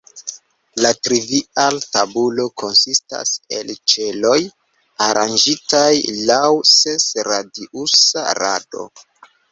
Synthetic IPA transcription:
latɾivialtabulo̞kʰo̞nsista̰se̞̰lt͡ʃe̞lo̞j | aɾʔand͡ʒitajlawse̞sɾadiʔusa̰ɾa̰do̞̰

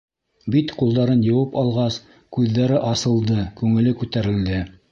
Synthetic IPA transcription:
bit̪qulˠd̪ɑɾɤnjɤ̆wɤpɑlˠʁɑs | kʉðːæɾɘʔɑsɤ̆lˠd̪ɤkʉŋɘ̆lɘkʉt̪æɾɘ̆ld̪ɘ

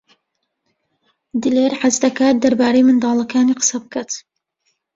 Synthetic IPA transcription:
d̪ɨleːɾħazd̪ɐkaːt̪̚d̪ɐɾbaːɾejmɨnd̪ɑːlˠɐkʰaːniːqʰɨ̥sɐbkʰat̪

